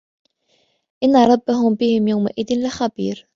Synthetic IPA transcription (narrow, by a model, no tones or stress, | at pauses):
ʔɪnːaɾˤɑbːaɦʊmbɪhɪmjawmaʔɪðɪnlɪxabḭːɾ